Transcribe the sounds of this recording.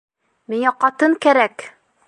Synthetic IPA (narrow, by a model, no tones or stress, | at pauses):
miŋɑqɑt̪ɤŋkæɾæk